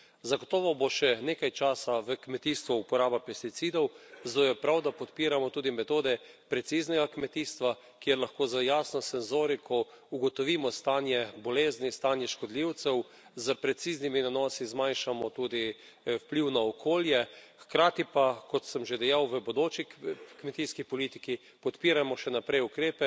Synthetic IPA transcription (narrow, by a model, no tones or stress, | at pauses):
zaɡot̪ɔːʋɔboʃɛnekajt͡ʃaːsaʋəkmɛt̪iːst̪ʋɔupɔɾaːbapɛst̪it̪siːd̪ɔwzd̪ojɛpɾawd̪apɔt̪piːɾamɔt̪uːd̪imɛt̪oːd̪ɛ | pɾɛt̪siznɛɡakmɛt̪iːst̪ʋa | kjeɾlaxkoːzajaːsnɔsɛnzoːɾikʰɔ | uɡɔt̪ɔʋiːmɔst̪aːnjɛbɔleːznist̪anjɛʃkɔd̪liwt̪sɛw | zəpɾɛt̪siːzniminanɔːsizmajnʃamɔt̪uːd̪i | wpliwnaɔkʰoːljɛxkɾaːt̪ipakɔt̪səmʒed̪ɛjawʋəbod̪ot͡ʃikmɛt̪iːskipɔlit̪iki | pɔt̪piːɾamɔʃɛnapɾɛjukɾeːpɛ